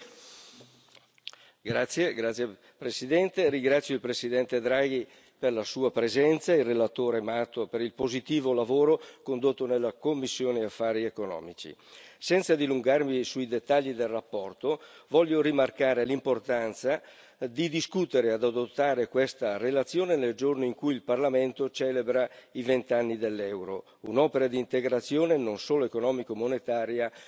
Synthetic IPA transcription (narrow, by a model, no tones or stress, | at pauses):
ɡɾat̪sːjeɡɾat̪sːje | pɾesid̪ɛnt̪eɾiŋɡɾat̪sːjoilpɾesid̪ɛnt̪ed̪ɾaɡi | perlasuːapɾezɛnt̪sairːelat̪oːɾemat̪opeɾilpozit̪iːvolavoːɾokond̪ot̪ːonelːakomːisːjoːneafːaːɾiekonɔ̰ːmit͡ʃḭsɛnt̪sad̪iluŋɡarmisuid̪et̪ːaʎːid̪elrapːɔrt̪ovɔʎːoɾimarkaːɾelimport̪ant̪sa | d̪id̪iskut̪eɾead̪ad̪ot̪ːaːɾekwest̪arelat̪sːjoːneneld͡ʒornoiŋkujilparlament̪ot͡ʃɛːlebɾaivent̪anːid̪elːɛwɾo | unɔːpeɾad̪iːnt̪eɡɾat̪sːjoːnenonsoːloekonɔːmikoemonet̪aːɾja